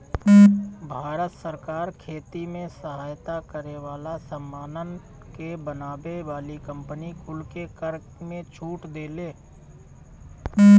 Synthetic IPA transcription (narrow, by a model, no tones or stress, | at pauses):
bʱaːɾət̪səɾkaːɾkʰeːt̪imẽsəɦaːjt̪akəɾeʋaːlasəmːaːnən | kebənaːbeʋaːlikə̃mpənikʰʊlkekəɾ | mẽt͡ʃʰuːʈd̪eːleː